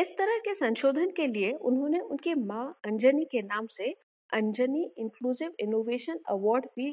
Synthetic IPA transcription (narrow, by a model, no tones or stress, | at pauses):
ɪst̪ɐɾəɦkesɐ̃nʃoːd̪ʱənkelieʔʊnɦõːneʊnkemãːɐ̃ɲd͡ʒənikenaːmse | ɐ̃ɲd͡ʒəniɪ̃ŋkluːzɪʋɪnoːʋeːʃənɐ̰ʋɔːɾɖbi